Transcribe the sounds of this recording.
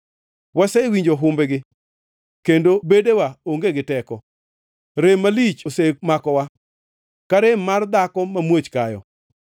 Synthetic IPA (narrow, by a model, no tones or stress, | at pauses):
wasewiɲd͡ʒoɦʊmbeɡɪ | kendobedewaoŋɡeɡɪtɛkɔ | ɾemalit͡ʃosek̚makɔwa | kaɾemard̪akɔmamwot͡ʃkajɔ̰